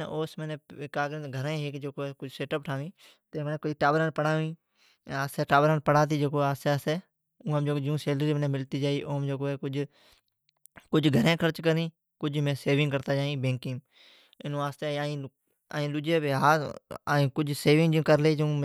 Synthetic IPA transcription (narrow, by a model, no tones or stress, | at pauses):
ʔoːsmeneːkaːɡɾɪ̃nt̪ɡʱəɾãːɦekd͡ʒeːkoːeːkʊd͡ʒʱseːʈəp̚ʈʰaːʋĩː | t̪eːmːneːkʊiʈaːʋɾaːnpəɽaːʋĩː | aːst̪eːʈaːʋɾaːnpəɽaːt̪̬iːd͡ʒeːkoːaːst̪eːaːst̪eː | ʊ̃ːə̃md͡ʒokːd͡ʒũːseːlɾiːmnẽːmɪlt̪iːd͡ʒaːiːʔoːmd͡ʒoːkoːeːkʊd͡ʒ | kʊd͡ʒʱɡʱəɾẽːkʰəɾt͡ʃkəɾĩː | kʊd͡ʒʱmẽːseːʋɪ̃ŋɡkəɾt̪aːd͡ʒaːĩːbẽːŋkɪ̃ŋ | ɪnũːaːst̪eːaːĩː | aːĩːɗʊd͡ʒeːbeɦaːaːĩːkʊd͡ʒʱseːʋɪ̃ŋɡd͡ʒĩːkəɾleːd͡ʒũː